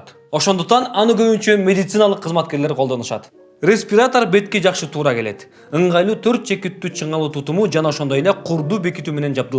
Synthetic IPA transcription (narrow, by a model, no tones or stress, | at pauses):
o̞ʃond̪uq̚t̪ɑnɑnɯɡø̞βynt͡ʃømʲe̞d̪it̪sɨnalˠəqʰːɯzmɑt̪̚ke̞ɾle̞ɾqʰolˠd̪o̞nuʃɑ̰t̪ | rʲe̞sʲpʲiɾat̪o̞ɾbe̞t̪ke̞d͡ʒɑqʃɯt̪ʰuːɾɑke̞le̞t̪ | ɯɴʁɑjlˠuːt̪ʰø̞ɾt̪̚t͡ʃʰe̞kit̪ːyːt͡ʃʰɯɴɑlˠuːt̪ʰut̪umud͡ʒɑnɑo̞ʃod̪o̞je̞leqʰuɾd̪uːbekit̪yːmene̞nd͡ʒɑbd̪ˠ